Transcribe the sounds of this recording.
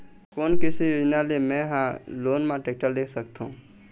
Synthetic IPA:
koːnkɪsijoːd͡ʒnalemɛ̃ɦãloːnmãʈeːk̚ʈəld̪eːkʰsək̚t̪ɦṵ̃ː

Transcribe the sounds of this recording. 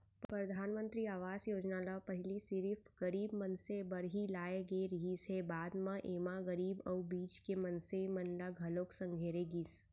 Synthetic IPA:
ppɾɐd̪ʱaːnmə̃nt̪ɾiaːʋaːsjoːd͡ʒnaːlapɐɦɪlisɪɾifʰɡɐɾiːbmɐnsebɐɾɦilaːeɡeɾɪɦisebaːd̪mãʔeːmaɣəɾiːbɔbiːt͡ʃkemɐnsemɐnlaɡɦɐloːksə̃ŋɡʱeːɾeɡis

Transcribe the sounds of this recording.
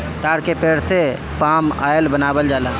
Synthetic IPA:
kaːɾkepeɽt̪ʰe | paːma̰jlbənaːbəld͡ʒaːla

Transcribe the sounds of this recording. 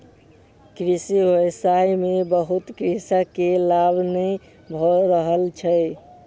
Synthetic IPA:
kɾisiɦoejsajmebəɦut̪kɾisəkelabnəj | bʱɔɾəɦəlt͡ʃʰəj

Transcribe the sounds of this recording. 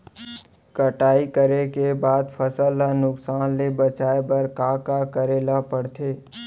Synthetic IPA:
kəʈaːikəɾekebaːd̪pʰəsəlːanʊksaːnlebət͡ʃaːebəɾkaːkakəɾeːlapəɽt̪ʰeː

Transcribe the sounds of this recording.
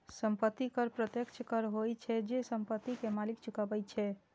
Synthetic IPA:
səmpət̪ːikəɾpɾət̪jəkt͡ʃʰkəɾɦojt͡ʃʰɛd͡ʒesəmpət̪ːikemalikt͡ʃʰukabɛjt͡ʃʰɛ

